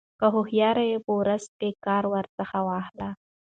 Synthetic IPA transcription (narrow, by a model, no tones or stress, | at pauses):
kəɦʊhjɑɾajepəwɾazkekɑɾwəɾt͡səxawɑhla